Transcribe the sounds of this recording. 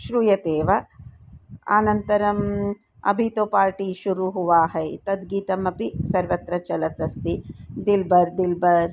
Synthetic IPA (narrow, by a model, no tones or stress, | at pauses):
ʃɾujɐt̪eːʋɐ | a̰ːnɐnt̪ɐɾɐm | ɐ̰bʱit̪oːpaːɾʈiʃuɾuɦuʋaːɦɐjt̪ɐd̪ɡiːt̪ɐmɐpisɐɾʋɐt̪ɾɐt͡ʃɐlɐt̪ɐst̪id̪ilbɐɾd̪ilbɐɾ